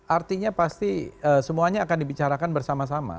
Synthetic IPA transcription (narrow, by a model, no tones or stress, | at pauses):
ʔart̪iɲapast̪iəsəmuaɲaːkandibit͡ʃaɾakanbərsamas̬ama̰